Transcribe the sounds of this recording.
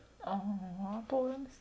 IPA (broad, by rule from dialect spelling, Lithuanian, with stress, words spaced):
ɐˈɣɐ ˈɑːplˠɐmʲɪs